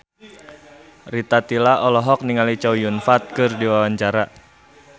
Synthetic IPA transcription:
rit̪at̪ilaʔɔlɔɦɔk̚niŋalit͡ʃawjunfat̪̚kɨrdiwawaɲt͡ʃaɾa

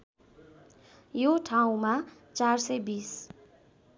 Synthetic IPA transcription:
joʈʰaw̃ma | t͡sarsʌjbis

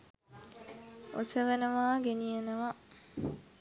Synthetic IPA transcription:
osəʋenəʋaːɡenijenɐʋa

